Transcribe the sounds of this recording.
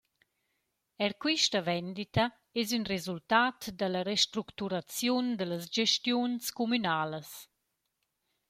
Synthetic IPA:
ɛɾkwiʃtəvɛnd̪it̪a | ɛzynrezult̪at̪d̪ələɾeʃt̪ɾukt̪uɾat͡sjund̪ələsd͡ʒɛʃtjunskumynaːləs

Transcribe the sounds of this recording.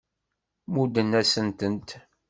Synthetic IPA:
mud̪ənːæsənt̪ənt̪

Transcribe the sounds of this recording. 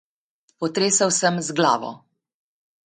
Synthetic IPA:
pɔt̪ɾeːsawsəmzɡla̰ːʋɔ̰

